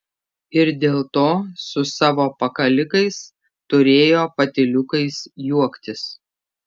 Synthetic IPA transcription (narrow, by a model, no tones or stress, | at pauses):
ɪɾd̪ʲeːlˠt̪oːsʊsɑːʋoːpɐkɐlʲɪkɐɪs | t̪ʊɾʲeːjoːpɐt̪ʲɪlʲʊkɐɪsjuɔkt̪ʲɪs